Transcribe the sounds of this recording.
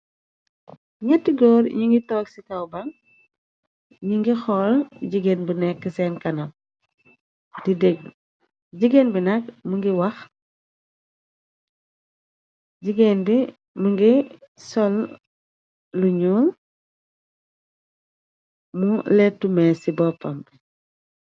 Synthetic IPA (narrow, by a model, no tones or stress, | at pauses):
ɲɛtːiɡɔːɾɲuŋɡitɔːksikɐwbɐŋ | ɲiŋɡixɔlɟiɡenbunɛkːəsɛːnkɐnɐm̚ | didɛɡ̚ | ɟiɡenbinɐkmuŋɡiwɐx | ɟiɡendi | muŋɡisɔl | luɲuː | mulɛtːumɛsibɔpːɐm